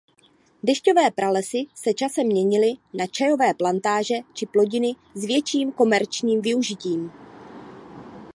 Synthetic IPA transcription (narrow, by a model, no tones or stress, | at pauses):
dɛʃco̞vɛːpɾʔalɛsɪsɛt͡ʃasɛmɲɛɲɪlɪnat͡ʃajo̞vɛːplant̪aːʒɛt͡ʃɪplo̞ɟɪnɪ | zvjɛt͡ʃiːmko̞mɛɾt͡ʃɲiːmvɪuʒɪciːm